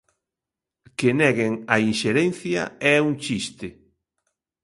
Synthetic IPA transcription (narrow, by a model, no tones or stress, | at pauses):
kenɛɣeŋɐinʃeɾɛnθjɐ̰ɛuŋt͡ʃist̪ɪ